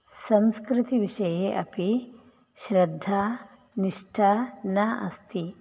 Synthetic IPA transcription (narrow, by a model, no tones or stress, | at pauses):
sɐmskɾit̪iʋiʂɐjeʔɐpi | ʃɾɐd̪ʱːaː | niʂʈʰaːnɐʔɐst̪i